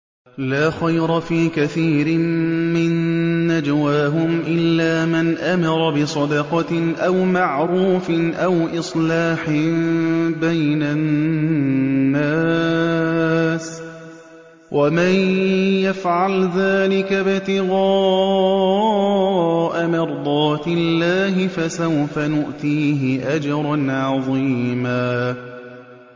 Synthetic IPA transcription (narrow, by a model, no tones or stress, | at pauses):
laːxajɾˤɑfiːkaθiːɾɪmmɪnːad͡ʒawaːɦʊmʔɪlːaːmanʔamɑɾˤɑbɪsˤɑd̪ɑqɑʔawmaʕɾuːfɪʔawʔɨsˤlaːħɪ | bajna | aː | s | wʔamanjafʕalðaːlɪkabɪt̪ɪɣɑː | ʔamɪɾˤd̪ˤɑːt̪ɪlːaːɦɪfasawfanʊʔt̪iːɦɪʔad͡ʒɑɾˤɑnʕɑðˤiːmaː